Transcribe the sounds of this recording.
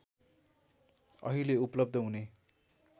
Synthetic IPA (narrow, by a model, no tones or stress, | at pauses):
ʌ̰ɦileuplʌb̚d̪ʱʌɦune